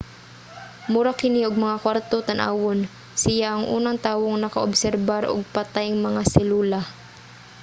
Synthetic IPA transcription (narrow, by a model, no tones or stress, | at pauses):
mʊɾakɪnɪʔʊɡ̚mɐŋakwaɾt̪ot̪ɐnʔa̰ːwon | sɪjaʔɐŋʔuːnaŋt̪aːwoŋnɐkɐʔobsɛɾbaɾʔo̰ɡ̚pɐt̪ajŋmɐŋasɛluːla